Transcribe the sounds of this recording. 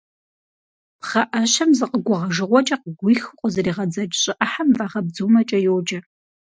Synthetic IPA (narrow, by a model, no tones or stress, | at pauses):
pχɐʔɐɕɐmzɨqəɡʷʊʁɐʒɨʁʷɔt͡ʃʼɐqəɡʷʊjxɨqʷʼʊzɨriːʁɐd͡zɐd͡ʒɕʼɪʔɐħamvaːʁɐb̚d͡zuːmɐt͡ʃʼɐjowd͡ʒɐ